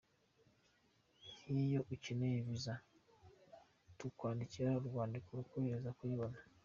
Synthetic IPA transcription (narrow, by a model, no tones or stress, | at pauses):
hijo̞ʔucineβiza | tukwaːndiciɾauɾɡwaːndikoɾukomeɾezakwiβona